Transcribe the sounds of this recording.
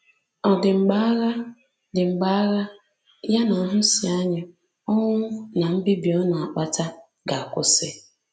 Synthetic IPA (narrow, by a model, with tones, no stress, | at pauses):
ɔ˨dɪ˨ŋ͡m̩˨ɡ͡ba˦ɣa˦ | dɪ˨ŋ͡m̩˨ɡ͡ba˦ɣa˦ | ja˦na˨ɦʊ˦si˨a˦ɲa˦ | ɔ˦ŋʷʊ˦na˨m̩˦bi˦bi˨ɔ˦na˨a˨k͡pa˨ta˦ | ɡa˨a˨kʷʊ˦sɪ˦